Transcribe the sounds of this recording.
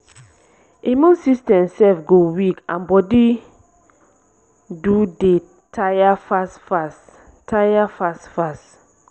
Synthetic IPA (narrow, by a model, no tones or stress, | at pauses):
imɔ̃nsistɛ̃msɛfɡowikãnbɔdi | dude | tʰajafasfas | tʰajafasfas